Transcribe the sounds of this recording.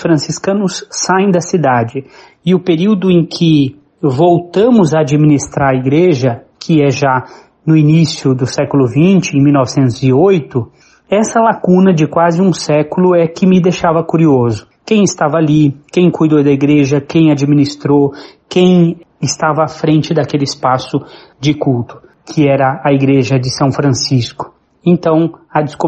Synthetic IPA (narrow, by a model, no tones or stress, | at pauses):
fɾɐ̃siskɐ̃nʊsːaẽj̃d̪ɐsid̪ad͡ʒɪ | ɪʊpeɾiwd̪ʊẽkʰɪ | vowt̪ɐ̃mʊzaad͡ʒimĩnist̪ɾaɾɐiɡɾeʒɐ | kʰɪɛʒa | nʊinisjʊd̪ʊsɛkʊlʊvĩt͡ʃɪẽj̃miwnɔvɪsẽnt̪ʊzɪojt̪ʊ | ɛsɐlakũnɐd͡ʒɪkwazɪũsɛkʊlʊɛkɪmɪd̪ejʃavɐkuɾiozʊ | kẽj̃ɪst̪avɐalikẽj̃kujd̪od̪ɐiɡɾeʒɐkẽj̃ad͡ʒimĩnist̪ɾokẽj̃ | ɪst̪avɐːfɾẽnt͡ʃɪd̪ɐkelɪɪspasʊ | d͡ʒɪkult̪ʊ̥ | kʰɪɛɾɐːiɡɾeʒɐd͡ʒɪsɐ̃w̃fɾɐ̃siskʊ̥ | ẽnt̪ɐ̃w̃ɐd͡ʒɪsko